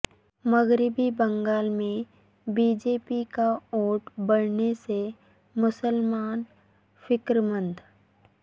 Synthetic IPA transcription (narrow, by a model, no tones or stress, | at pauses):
məɣɾɪbibə̃ŋɡaːlmẽ | biːd͡ʒeːpikaoːʈbəɽnese | mʊsəlmaːn | fɪkɾmə̃nd̪